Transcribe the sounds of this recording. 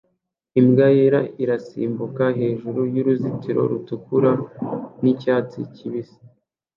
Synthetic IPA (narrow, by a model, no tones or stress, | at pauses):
imɡajeɾaʔiɾasḭːmbukaɦe̞ːʒuɾujuɾuzitiɾo̞̰ɾutukuɾanicaːt͡sḭciβisi̥